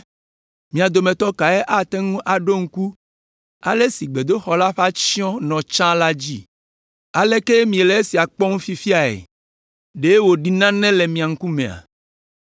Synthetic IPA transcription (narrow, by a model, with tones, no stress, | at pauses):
mĩ˨a˨d̪o˨mẽ˨t̪ɔ˦ka˨e˦ʔa˦t̪ɛ˦ŋũ˦ʔa˨ɖo˦ŋ̩˦ku˦ | a̰˨le˦si˨ɡ͡be˨d̪o˦xɔ˨la˦ɸa˦t͡ɕi˦ɔ̃˦nɔ̃˨t͡ʃã˦la˦d͡ʑi˦ | a˨le˦ke˦mĩ˨e˨le˨˦e˦si˨a˨k͡pɔ˦ŋũ˦fi˦fi˦a˨ḛ˨ | ɖe˦e˦wo˨ɖi˨nã˦nɛ̃˦le˨mĩ˨a˨ŋ̩˦ku˦mẽ˨a̰˨